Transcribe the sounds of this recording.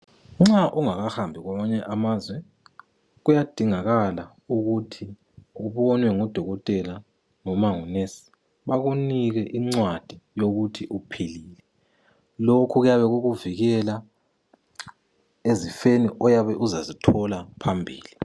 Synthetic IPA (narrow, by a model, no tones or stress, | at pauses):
ŋ͡ǁaʔuŋaɣahambʱiɣwamaɲɛʔamazwɛ | ɣujad̥ʱiŋaɣala | uɣutʰi | uβɔnwɛŋɔd̥ʱɔɣɔtʼɛla | nɔmaŋunesi̥ | βaɣuniɣɛʔiŋ͡ǀwad̥ʱijoɣutʰiʔupʰeliːlɛ | lokʰuɣujaβɛɣuɣuviɣɛla | ezifeniʔɔjaβɛʔuzazitʰɔlapʰambʱḭːli